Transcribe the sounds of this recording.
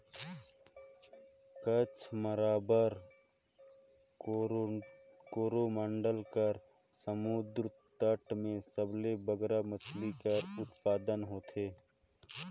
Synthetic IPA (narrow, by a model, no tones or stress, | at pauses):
kət͡ʃʰməɾaːbəɾ | koːɾomãːɳɖəlkəɾ | səmʊd̪ɾ | t̪əʈmẽsəblebəɡɾamət͡ʃʰlikəɾʊt̪paːd̪ənɦoːt̪ʰeː